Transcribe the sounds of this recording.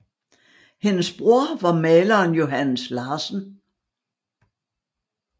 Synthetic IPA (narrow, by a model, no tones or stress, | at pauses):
henəsb̥ʁuɐ̰ʋɑ̈mɛːlɐːnjo̝ɦænəslɑ̈ːsn̩